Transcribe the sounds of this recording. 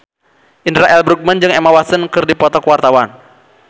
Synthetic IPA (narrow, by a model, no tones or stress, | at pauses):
ʔinɾaʔɛlbɾuk̚mənd͡ʒɨŋemawasənkɨrdipɔt̪ɔkwart̪awan